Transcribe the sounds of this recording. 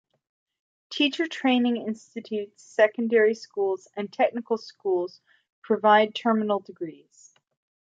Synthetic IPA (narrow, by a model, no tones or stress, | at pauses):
tʰit͡ʃə˞tʰɹ̥ẽɪ̃nɪ̃ŋɪ̃nstɨtʰʉtsɛkɨ̃n̩dɛɹiskulˠz̥ɨ̃ntʰɛk̚nɨkl̩ˠskulˠz̥ | pʰɹ̥ɨvaɪd̚tʰɜ˞mənl̩ˠdɨɡɹiz̥